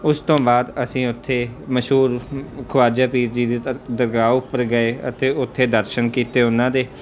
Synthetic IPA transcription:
ʊst̪õːbaːd̪əsĩːʊt̪ʰːeːməʃɦuːɾkʰʊʋaːd͡ʒaːpiːɾd͡ʒiːd̪iːd̪əɾɡaːʊpːəɾɡəeːə̰t̪eːʊt̪ʰːeːd̪əɾʃənkiːt̪eːʊnãːd̪eː

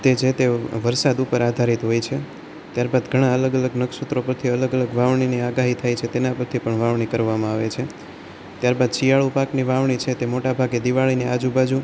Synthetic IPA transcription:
t̪ed͡ʒet̪eʋəɾsad̪upəɾad̪ʱaɾit̪ɦojt͡ʃʰe | t̪jaɾbad̪ɡʱəɽ̃aələɡələɡnəksut̪ɾopəɾt̪ʰiələɡələɡʋaʋɳ̃iniaɡaɦit̪ʰajt͡ʃʰet̪enapəɾt̪ʰipəɳʋaʋɳ̃ikəɾʋamãaʋet͡ʃʰe | t̪jaɾbad̪ʃijaɭupakniʋaʋɳ̃it͡ʃʰet̪emoʈabʱaɡed̪iʋaɭinead͡ʒubad͡ʒu

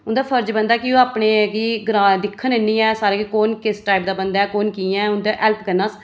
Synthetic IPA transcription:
ʊnd̪aːpʰəɾd͡ʒbənd̪aːkɪoːaːpɳeːkiɡɾaːd̪ɪkʰːənenːiːɛːsaːɾẽːkikoːnkɪsʈaːɪpd̪aːbənd̪aːɛːkoːnkiːɛːʊnd̪aːʔɛːlpkəɾnaːs

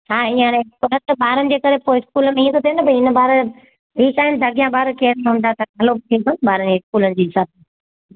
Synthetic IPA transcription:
haːɪ̃jãnẽkʊlət̪ɐbaːɾənɪ̆d͡ʑeːkɐɾepoːɪɪskuːlmẽiːə̃t̪ʰot̪ijə̃nbɐɪnə̆baːɾ | iːt͡ɕaːɦɪnd̪ʱɐɡijãbaːɾkeːɾmẽɦʊ̃ːn̆d̪at̪ɐɡʱaːlobɪt̪ʰĩːkɐnbaːɾənd͡ʑeɪskuːlənɪ̆d͡ʑiːɦɪsaːb̚t̪ʰː

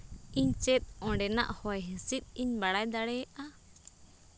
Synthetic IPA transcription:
iɲt͡ʃɛt̪̚ɔ̃ɖɛna̰ʔhɔjɦɛ̃sit̪̚iɲbaɽajd̪aɽɛʔa

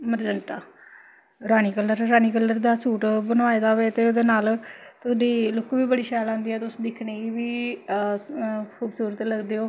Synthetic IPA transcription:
məɾd͡ʒəɳʈaː | ɾaːniːkəlːəɾɾaːniːkəlːəɾd̪aːsuːʈbənʋaːed̪aːʋeːt̪eːod̪eːnaːlt̪ʊsɖiːlʊkːʋiːbəɽiːʃaːlãːnd̪iːɛːt̪ʊsd̪ɪkʰneiːʋiː | kʰuːbsuːɾət̪ləɡd̪eːoː

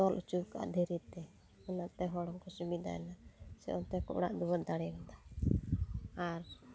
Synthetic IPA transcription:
ɔlʔut͡ʃubka̰ʔd̪ʱɛɾit̪ɛ | ɔnat̪ɛɦɔɽɔŋkɔsubid̪a̰ɛ̰nasɛ̰ʔɔnt̪ɛkɔ̰ʔɽaʔd̪uwad̪aɽɛbad̪a | aɾ

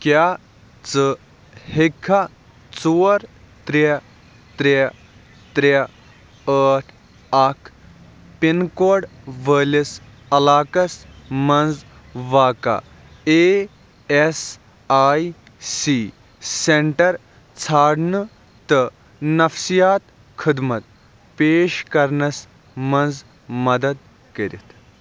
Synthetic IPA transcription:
kjaː | t͡sɨ | hekʰːa | t͡suːɾ | t̪ɾe | t̪ɾe | t̪ɾe | əːʈʰ | ɐkʰ | pinkoːɖʋəːlis | ɐlaːkɐsmɐnd͡z | ʋaːka̰ | eː | es | aːj | siː | seɳʈɐɾ | t͡sʰaːɽnɨ | t̪ɨ | nɐfsijaːt̪ | kʰid̪mɐt̪̚ | peːʃkɐɾnɐs | mɐnd͡z | mɐd̪ɐd̪ | kɐɾḭt̪ʰ

